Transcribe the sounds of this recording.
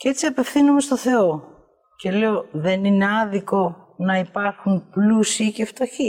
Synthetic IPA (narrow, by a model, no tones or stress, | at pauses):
ceet͡siɐpe̞fθinume̞st̪o̞θe̞o̞ | ce̞le̞o̞ðe̞nine̞ɐðiko̞ | nɐipɐɾxunplusice̞ft̪o̞çi